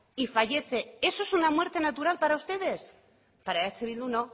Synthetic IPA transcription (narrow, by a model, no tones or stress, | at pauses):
ifaʝe̞θe̞esoe̞sunamweɾt̪e̞nat̪uɾalpaɾaust̪e̞ðe̞s | paɾaeakseβilunõ